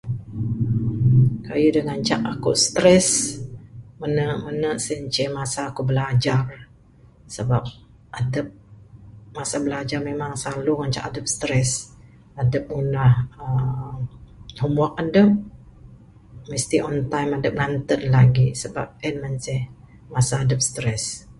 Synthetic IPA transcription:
kajudəŋant͡ʃaʔakuʔst̪ɾɛs | mənəʔmənəʔsəɲt͡ʃɛmasaːkubəlad͡ʒar | səbap̚ | ʔadəp̚ | masabəlad͡ʒarmemaŋsaluŋaɲt͡ʃa̰ʔadəp̚sə̥t̪ɾɛs | adəp̚unahə | humuak̚adəp̚ | məst̪iʔɔnt̪ajmadəp̚nant̪ənlaɡisəbap̚ɛnmənsɛh | masaːdəp̚st̪ɾɛs

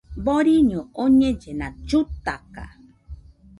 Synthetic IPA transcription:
boɾiɲõoɲẽd͡ʒenãd͡ʒut̪aka̰

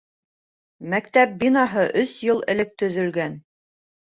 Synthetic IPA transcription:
mækt̪æp̚binɑɦɤʔɵsjɤlˠɘ̆lɘk̚t̪ɵ̆ðɵ̆lɡæn

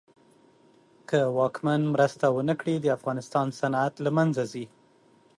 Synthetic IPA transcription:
kəwɑkmanmɾəst̪awənəkɽid̪əafɣɑnɪst̪ɑnsanat̪lamanzazi

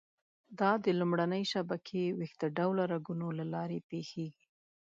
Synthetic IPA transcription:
d̪ɑd̪əlumɽanəjʃabakʰewext̪əɖawlaɾaɡunolalɑɾepexeɡi

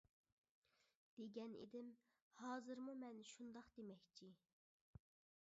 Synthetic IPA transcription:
d̪̥eɡʲɛnḛd̪ɪm | hɑːzɨɾmumɛnʃund̪ɑqd̪̥emɛkʲt͡ʃʰi

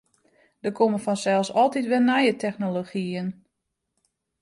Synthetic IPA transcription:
d̥əkʰoməfɔnsɛlˠsɔlˠtitʋɛnɛjətʰɛxnoloxiən

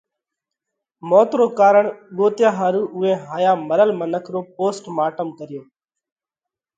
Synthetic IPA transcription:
moːt̪ɾoːkaːɾəɳɠoːt̪jãːɦãːɾuːʔʊẽːɦaːjaːməɾəlmənəkʰɾoːpoːsʈmaːʈəmkəɾɪjoː

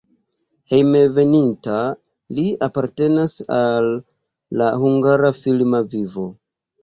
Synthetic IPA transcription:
he̞jmeve̞ninta | liapaɾte̞nasalː | ahuŋɡaɾafilmavivo̞

